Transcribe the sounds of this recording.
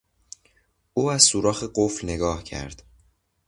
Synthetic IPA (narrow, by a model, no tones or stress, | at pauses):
ʔuːæz̥suːɾɒːxeɢoflne̞ɡɒːhcʰæ̰ɾd̪̥